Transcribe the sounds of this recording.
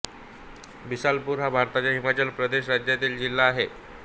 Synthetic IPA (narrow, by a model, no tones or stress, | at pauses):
bisalpuːɾɦabʱaɾt̪at͡ɕjaɦimat͡ɕəlpɾəd̪eɕɾad͡ʑjat̪̬iːld͡ʑilːaːɦe